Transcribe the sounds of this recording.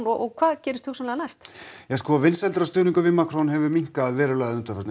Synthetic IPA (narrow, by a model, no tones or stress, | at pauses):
nɔʔɔkʰv̥aːðcɛːɾɪst̪husɛnlɛɣanajst̪jaskɔːavɪnsɛlt̪ʏɾast̪ʏːniŋkʏvɪmaːkɾɔnhɛvʏmiŋ̥kaðvɛːɾʏlaɣðɪðʏnt̪ḁfɛɾt̪n